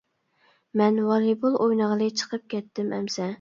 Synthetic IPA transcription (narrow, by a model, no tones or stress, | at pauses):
mɛnwɑɾibulˠʔojnəʁlˠɨt͡ʃʰə̥qʰəp̚kʲʰɛt̪ʰːɪmɛ̰msɛ